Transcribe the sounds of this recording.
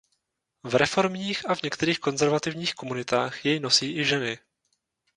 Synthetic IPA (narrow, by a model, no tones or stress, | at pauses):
vɾɛfo̞ɾmɲiːxavɲɛkt̪ɛɾiːxko̞nzɛɾvat̪ɪvɲiːxko̞munɪt̪aːxjɛjno̞siːʔɪʒɛnɪ